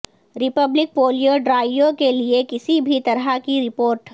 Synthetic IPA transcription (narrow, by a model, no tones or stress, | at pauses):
ɾɪpəblɪk̚foːlijoɖɾaːjjokeliekɪsibʱit̪ɐɾɦakiɾɪpoːɾʈ